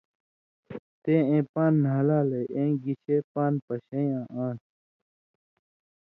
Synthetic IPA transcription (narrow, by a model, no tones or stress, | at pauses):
t̪eːẽːpaːnːɦɐlaːleʔẽːɡiɕeːpaːnpɐɕejãːʔãːʈʰ